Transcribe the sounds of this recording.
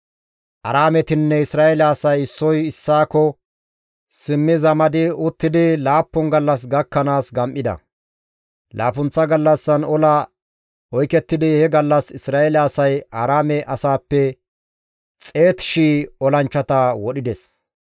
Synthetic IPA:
ʔɐ̰ɾaːmɛt̪ɪnːɛɪsɾaːɛlɐaːsɐjɪsːɔjɪsːaːkɔ | sɪmːɪzɐmɐd̪ɪʊt̪ːɪd̪ɪlaːpːɔnɡɐlːɐs̬ɡɐkːɐnaːsɡɐmʔɪd̪ɐ̰ | la̰ːfʊnt͡sːɐɡɐlːɐsːɐnɔlɐ | ɔjkɛt̪ːɪd̪ɪhɛɡɐlːɐsɪsɾaːelɐːsɐjaːɾaːmɛʔɐsaːpːɛ | t͡sʼe̞ːt̪ʃiːɔlɐnt͡ʃːɐt̪ɐwɔɗɪd̪ɛs

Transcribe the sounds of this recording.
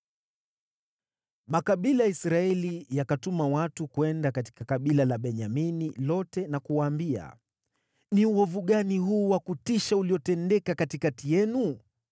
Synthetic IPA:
makaɓilajaisɾaɛlijakatumawatukwɛndakati̥kakaɓilalaɓɛɲaminilɔtɛnakuwaːmbia̰ | niuɔvuɠaniɦuːwakutiʃauliɔtɛndɛkakatikatijɛnu

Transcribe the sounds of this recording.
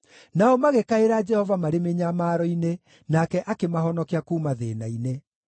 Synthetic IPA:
naɔmaɣekaeɾad͡ʒɛhɔvamaɾemeɲamaːɾɔine | nakɛʔakemaɦɔnɔkeakuːmaðenaine

